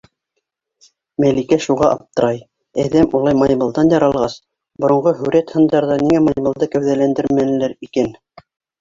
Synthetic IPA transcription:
mælikæʃuʁɑʔɑp̚t̪ɤ̆ɾɑj | æðæmulˠɑjmɑjbɤ̆lˠd̪ɑnjɑɾɑlˠʁɑs | bŏɾŏɴʁɤɦɵ̆ɾæt̪hɤ̆nd̪ɑɾðɑniŋæmɑjbɤ̆lˠd̪ɤkæwðælænd̪ɘɾmænɘ̆læɾikæn

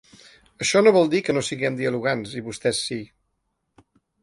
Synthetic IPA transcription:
əʃɔnoβ̞ɔlˠd̪ikənosiɣɛmd̪iəluɣanziβust̪ɛsːi

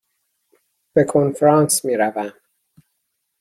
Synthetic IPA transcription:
b̥e̞kʰonfɾɑːnsmiːɾævæm

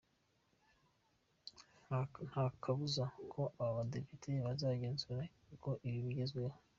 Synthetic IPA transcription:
n̥hakʰaβuzakʰo̞ʔaβaβade̞pitʰeβazaːɟe̞ːnzuɾa | uko̞ʔiβiβiɟe̞zɡeho

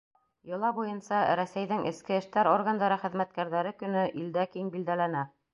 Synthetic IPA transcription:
jɤ̆lˠɑbujɤnsɑɾæsæjðɘŋʔɘ̆skɘɘ̆ʃt̪æɾorɡand̪ɑɾɤχɘ̆ðmæt̪̚kæɾðæɾɘkɵ̆nɵʔild̪ækiŋbild̪ælænæ

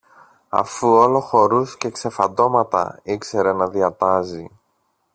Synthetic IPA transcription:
ɐ̰fuo̞lo̞xo̞ɾusce̞kse̞fɐnd̪o̞mɐt̪ɐ̰ikse̞ɾe̞nɐðiɐt̪ɐzi

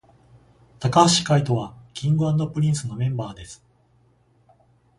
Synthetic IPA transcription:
t̪akaɕi̥kait̪o̞βakʲʰĩŋɡɯ̟ãnd̪o̞pɯ̟ɾʲĩɰ̃sɨno̞mẽ̞mbaːd̪esɨ̥

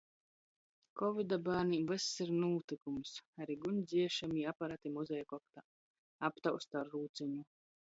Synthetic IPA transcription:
kɔvid̪abaːɾnivɨsːiɾnuːt̪ɨkumsaɾiɡunʲd̪zʲiɛʃamiapaɾat̪imuzʲɛjakɔkt̪a | apt̪awst̪aɾːuːt̪sɛɲu

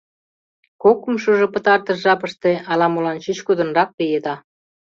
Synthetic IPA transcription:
kokəmʃuʒŏpə̆t̪ɑrt̪ə̆ʃʒɑpəʃt̪eɑlɑmolɑnt͡ɕyt͡ɕkud̪ə̆nrɑk̚pijed̪ɑ

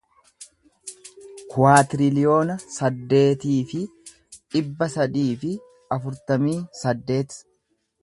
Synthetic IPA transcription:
kʊwaːt̪ɪɾɪlɪjo̞ːnɐsɐd̪ːe̞ːt̪iːfɪ | ᶑɪbːɐsɐd̪iːfɪ | ɐfʊɾt̪ɐmiːsɐd̪ːe̞ːt̪ɪ̥

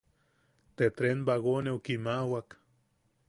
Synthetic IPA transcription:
t̪et̪ɾenbaɣoneokimawak

